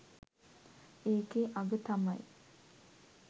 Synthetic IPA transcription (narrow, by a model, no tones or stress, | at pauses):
eːkeʔaɡət̪ɐmɐj